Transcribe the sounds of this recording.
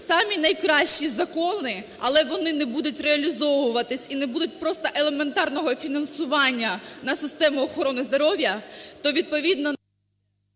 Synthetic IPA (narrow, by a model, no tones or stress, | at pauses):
sɑmʲinɐjkɾɑʃt͡ʃizɐkɔnɪ | ɐlˠɛʋɔnɪnɛbud̪ʊtʲreɐlʲizɔʋʊʋɐt̪ɪsʲinɛbud̪ʊt̚ʲpɾɔst̪ɐʔelˠement̪ɑrnɔɦɔfʲinɐnsʊʋɑnʲːɐnɐsɪst̪ɛmʊɔxɔɾɔnɪzd̪ɔɾɔʋʲjɐt̪ɔʋʲid̪̚pɔʋʲid̪nɔ